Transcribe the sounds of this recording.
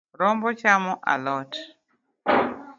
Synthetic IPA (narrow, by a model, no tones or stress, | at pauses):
ɾɔmbɔt͡ʃamɔʔa̰lɔt